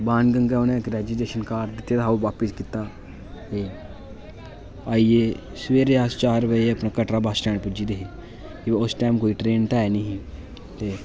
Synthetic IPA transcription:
bãːnɡə̃ŋɡaʊnẽɡɾɛːd͡ʒileːʃənkaːɾd̪ɪt̪ːjet̪ʰaːoʋaːpɪskit̪aː | e | aie | sʋeːɾeaːst͡ʃaːɾəpəieɐpnakɐʈɾabaːsʈɛːnpʊd͡ʒid̪eɦi | kiʋʊsʈaːmkoːiʈɾeːnt̪aeniɦĩ | t̪e

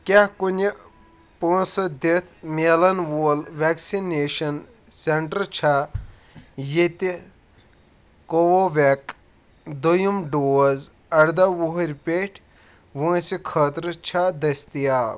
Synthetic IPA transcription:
kʲɐhkunʲɐ | põːsɐd̪et̪ʰmʲeːlɐnʋoːlʋɛksineːʃɐn | seɳʈəɾt͡ʃʰa | jet̪i | koʋoʋʲek | d̪ojumɖoːz | ɐɾd̪ɐʋuɦɾʲpeʈʰ | ʋõːsikʰɐːt̪ɾt͡ʃʰad̪ɐsʲt̪ijaː

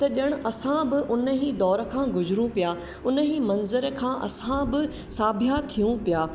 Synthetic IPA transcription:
t̪ɐɗəɽ̃̆ʔɐsãbɪʔʊnəɦiːd̪ɔːɾə̆kʰãːɡʊzɾũpijaː | ʊnəɦiːmɐnzəɾkʰãːʔɐ̰sãbɪ | saːbʱjat̪ʰijũpijaː

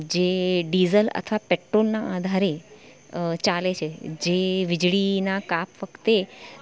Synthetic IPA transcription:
d͡ʒeɖizələ̰t̪ʰəʋapeʈɾolnaad̪ʱaɾe | t͡ʃalet͡ʃʰed͡ʒeʋɪd͡ʒɭinakapʰʋəkʰt̪e

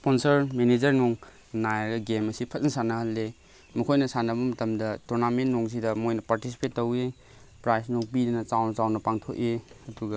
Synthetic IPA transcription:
sponsɐɾmened͡ʒɐɾnoŋ | najaɡɐɡemɐsipʰɐt̚nɐsanɐhɐlːe | mukʰojnɐsanɐbɐmɐtɐmdɐtuɾnamenːoŋs̬idɐmojnɐpaɾtisi̥petːowe | pɾajsnoŋpidɐnɐt͡ʃawnɐt͡ʃawnɐpaŋtʰok̚eɐduɡɐ

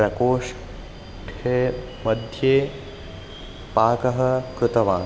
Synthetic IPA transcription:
ɾɐkoːʃ | ʈʰe | mɐd̪ʱjeː | paːkɐɦɐ̆kɾut̪ɐʋãː

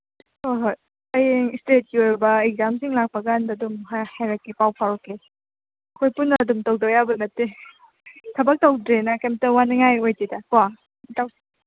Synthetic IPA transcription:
ojɦoj | ɐjeŋstet̚kioɾbɐeɡ̚zamsiŋlak̚pɐɡandadumɦahajɾakːipawpʰaɾɔkːe | ɐkʰojpunːɐdumtɐwdojabɐnɐtːe | tʰɐbɐk̚tɐwdɾenɐkemtɐwaniŋajojtidɐka | taws

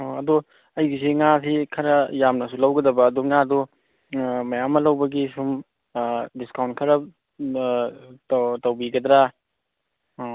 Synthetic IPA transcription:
oɐdu | ɐjɡisiŋasikʰɐɾɐjamnɐsulɐwɡɐdɐbɐːduŋadu | mɐjamːɐlɐwbɐɡisum | diskawntkʰɐɾɐ | tɐwbiɡɐd̪ɾa

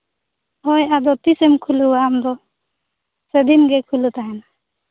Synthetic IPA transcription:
ɦɔjad̪ɔt̪isɛmkʰuluwaːmd̪ɔ | sed̪inɡekʰulut̪aɦɛna

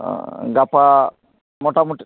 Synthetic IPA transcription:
ɡapa | mɔʈamɔʈ

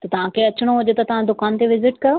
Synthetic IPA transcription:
t̪ɐt̪ɐʋ̤ãkʰeɐt͡ɕɽ̃oɦʊd͡ʑet̪ɐt̪ɐʋ̤ãd̪ʊkaːnt̪eʋɪzɪʈkɐjo

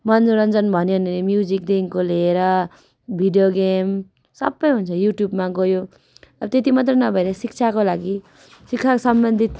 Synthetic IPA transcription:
mʌnd͡zuɾʌnd͡zʌnbʱʌneʌnenemjud͡zik̚d̪eŋkoleːɾʌ | bʱiɖijoɡem | sʌ̰bːʌjɦunt͡sʰʌjuʈjubmaɡojo | ʌbʌt̪et̪imʌt̪̬rʌnʌbʱʌeɾesik̚t͡sʰakolaɡi | sik̚t͡sʰakosʌmbʌnd̪ʱit̪

